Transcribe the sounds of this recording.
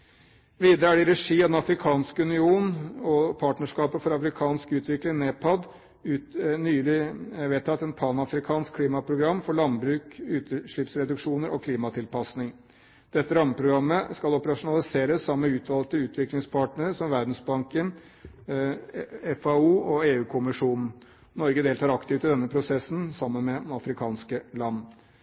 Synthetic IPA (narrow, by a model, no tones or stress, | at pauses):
ʋiːd̪əɾəæɖɪɾɛʂiːɑd̪ɛnɑfɾɪkʰɑːnskʉnɪuːnɔpʰɑːʈnəʂkɑːpəfɔɾɑfɾɪkʰɑːnskʉːt̪ʰʋɪklɪŋnepʰɑd̪ | ʉːnyːlɪʋeːt̪ʰːɑt̪ːɛnpʰɑːnɑfɾɪkʰɑːnskʰːliːmɑpʰɾʊɡɾɑmːfɔɭɑnbɾʉːkʉːt̪əʂɭɪpsɾɛd̪ʉkʂuːnəɾɔkʰliːmɑt̪ʰɪlpɑsnɪŋ | d̪̥ɛt̪ːəɾɑmːəpʰɾʊɡɾɑmːəskɑlɔpəɾɑʂʊnɑlɪseːɾəsːɑmːəʉːt̪ʰʋɑlk̚t̪əʉːt̪ʰʋɪklɪŋspʰɑːʈɳəɾsɔmʋæɾɖ̪n̩sbɑŋkən | ɛfɑuːɔeːʉːkʰʊmɪʂuːnn̩ | nɔɾɡəd̪eːlt̪ʰɑːɾɑkt̪ɪʋt̪ɪd̪ɛnːəpʰɾʊsɛsn̩sɑmːənmɛd̪nɑfɾɪkʰɑːnskəlɑnː